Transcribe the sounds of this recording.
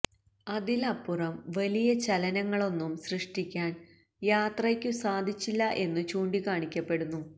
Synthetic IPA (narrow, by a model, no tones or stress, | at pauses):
ɐðilɐpːurɐmʋɐlijɐt͡ɕɐlɐnɐŋːɐɭo̞nːumsrɨʂʈikʲːaːn | jaːt̪rɐkʲːusaːd̪ʱit͡ɕːilːɐʔe̞nːɨt͡ɕuːɳɖikaːɳikʲːɐpːe̞ɽunːu